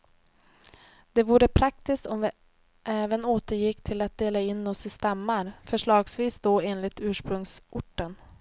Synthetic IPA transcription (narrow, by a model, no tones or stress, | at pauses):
d̪̥ɛvuːɾəpʰɾak̚t̪ɪst̪ɔmvɪ | ʔɛːvənoːt̪əɾjɪkːt̪ʰɪlat̪̚d̪eːlaɪnːɔsɪst̪amːaɾfœʂɭɑːɡsviːsd̪oːeːnlɪt̪ʉ̟ːʂpɾɵŋsʔʊʈːən